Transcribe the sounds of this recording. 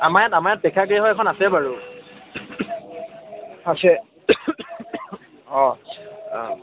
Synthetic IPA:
amajatamajat̚bɛkʰakiɦɔjɛkʰɔnasɛbaɹu | asɛ | ɔ̃ | ɔ

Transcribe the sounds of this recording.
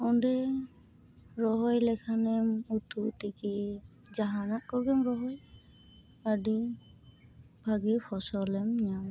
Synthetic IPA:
ɔɳɖɛ | ɾɔɦɔjlɛkʰanɛmut̪ut̪iki | d͡ʒaɦanaʔkɔɾɡɛmɾɔɦɔj | aɖi | bʱaɡɛpʰɔsɔlɛmɲam

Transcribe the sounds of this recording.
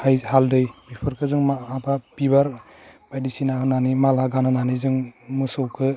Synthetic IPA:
hajhaldɯjbipʰɯɾkʰɯzɯŋmaabapibaɾ | bajdisinaɦɯnanimalaɡanɯnanizɯŋmɯsɔwkʰɯ

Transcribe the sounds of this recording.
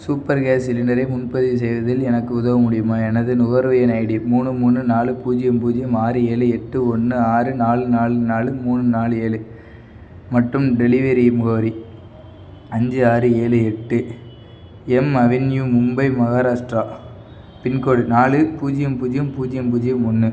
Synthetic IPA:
suːpːɐɾɡeːsɪlɪnɐɾɐɪmʊnpɐðis̬ɛjʋɐðɪlɛnɐkːɯʊðɐʋɐmʊɽɪjɯmaːɛnɐðɯnʊɣɐɾʋɐjɐnɐɪɽimuːɳɯmuːnːɯnaːlɯpuːd͡ʒɪjɐmpuːd͡ʒɪjɯmaːɾɯeːlɯɛʈːɯɔnːɯaːɾɯnaːlɯnaːɭɯnaːlɯmuːnɯnaːlɯeːlɯ | mɐʈrɯmɖɛlɪʋɐɾimʊɣɐʋɐɾi | ɐɲd͡ʒɯaːɾɯeːlɯɛʈːɯ | ɛmɐʋɪnjumʊmbɐɪmɐɣaːɾaːʂʈɾaː | pɪnkoːɽɯnaːlɯpuːd͡ʒɪjɐmpuːd͡ʒɪjɯmpuːd͡ʒɪjɐmpuːd͡ʒɪjɯmɔnːɯ

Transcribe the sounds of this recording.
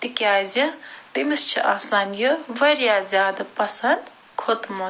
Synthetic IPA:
t̪ikjaːzʲɐt̪imɨst͡ʃʰiʔaːsaːnjoʋɐɾjaːzʲjaːd̪ɐpɐsɐnd̪ | kʰot̪mo

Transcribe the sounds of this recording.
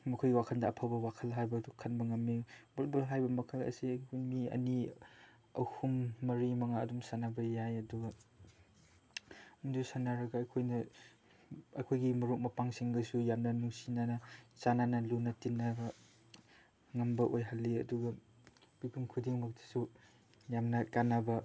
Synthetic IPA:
mɐkʰojwakʰɐndɐːpʰabɐwakʰɐlɦajbɐukʰɐnbɐŋɐmːibalbɐlɦajbɐmɐkʰɐlɐ̰sikʰumiɐ̰ni | ɐ̰whumːɐɾimɐŋaɐdumsanabɐjajɐduɡɐ | mudusanaɾɐɡɐːkʰojnɐ | ɐ̰kʰojɡimɐɾuk̚mɐpaŋsiŋbɐsujamnɐnuŋsinanɐsananɐlunɐtinːaɡɐ | ŋɐmbɐʔojɦalːiɐ̰duɡɐ | bibʰuŋkʰudiŋmɐk̚ti̥su | jamnakanabɐ

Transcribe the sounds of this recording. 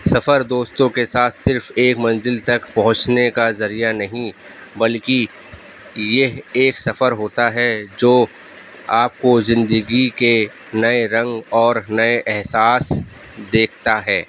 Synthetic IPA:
sɐfəɾd̪oːst̪õkesaːt̪ʰsɪɾfeːkmɐ̃nzɪlt̪ɐkpɐɦʊ̃t͡ʃnekazɐɾijanɐɦĩ | bɐlki | jeɦeːksɐfəɾɦoːt̪aɦɛd͡ʒoː | aːp̚kozɪ̃nd̪əɡike | nɐeɾɐ̃ŋɡɔːɾnɐeʔɛɦsaːs | d̪eːkʰt̪aɦɛː

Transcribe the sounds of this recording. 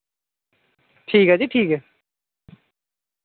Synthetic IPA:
ʈʰiːkɦaːd͡ʑiːʈʰiːkɛ

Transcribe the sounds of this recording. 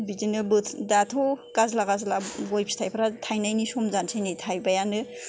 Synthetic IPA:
bid͡ʒinɯbɯdatʰɔkazlakazlabɔjpʰi̥tʰajpʰaɾatʰajnajnisɔmzansʰajnitʰajbajanɯ

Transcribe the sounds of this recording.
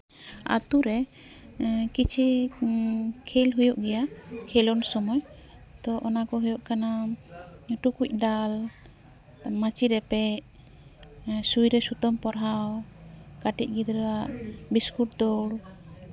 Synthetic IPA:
a̰t̪uɾɛ | kit͡ʃʰi | kʰɛlɦujɔʔɡɛjakʰɛlɔnsɔmɔj | t̪ɔʔɔnakɔɦujɔʔkana | ʈukuc̚ˀd̪al | mat͡ʃiɾɛpɛ | sujɾɛsut̪ɔmpɔɾɦawkaʈḭc̚ˀɡid̪ɾɛwaʔbiskuʈ̚d̪ɔɽ

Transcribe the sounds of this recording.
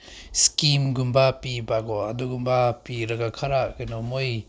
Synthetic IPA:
skimɡumbapibaɡɔaduɡumbapiɾɐɡakʰaɾakinɔmoj

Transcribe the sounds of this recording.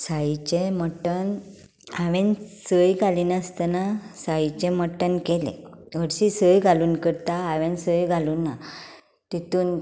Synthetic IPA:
sait͡ɕeməʈːən | aʋẽnsəjɡʱaliːnast̪ənasait͡ɕẽməʈːənkelḛ̃ʋəɽɕisəjɡʱaluːnkəɾt̪aːʋẽnsəjɡʱaluːnːa | t̪it̪uːn

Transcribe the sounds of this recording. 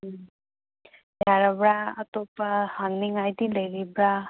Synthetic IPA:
jaɾabɾaət̪opahaŋniŋajd̪iləjɾibɾa

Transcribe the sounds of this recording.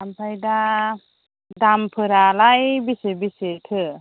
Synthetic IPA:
ampʰajda | dampʰɯɾalajbisebisetʰɯ

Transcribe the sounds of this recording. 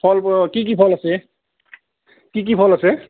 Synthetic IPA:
pʰɔlkik̬ipʰɔlase | kik̬ipʰɔlase

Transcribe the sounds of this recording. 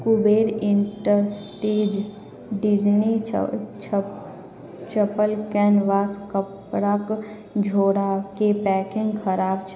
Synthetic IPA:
kubeːɾɪ̃ɳʈəɾsʈeːd͡ʒ | ɖɪd͡ʒni | t͡ʃəpəlkɛːnʋaːskəpɽak | d͡ʒʱoːɽakepɛːkɪ̃ŋɡkʰəɾaːbt͡ʃʰ

